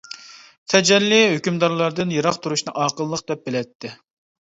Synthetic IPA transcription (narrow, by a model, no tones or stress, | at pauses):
t̪ʰɛd͡ʒɛlːɪɦøkʲymd̪ɑɾlˠɑɾd̪ɨnjeɾɑqt̪ʰuɾuʃnɨʔɑːqəlˠːəq̚d̪ɛp̚belɛt̪ʰːɪ